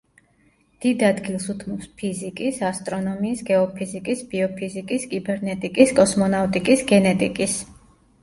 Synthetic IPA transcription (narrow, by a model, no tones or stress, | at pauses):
d̪̥id̪ad̪ɡilˠsut̪ʰmɔpspʰizikʼisast̪ʼɾɔnɔmiːsɡɛɔpʰizikʼisb̥iɔpʰizikʼiskʼibɛɾnɛt̪ʼikʼiskʼɔsmɔnavt̪ʼikʼisɡɛnɛt̪ʼikʼis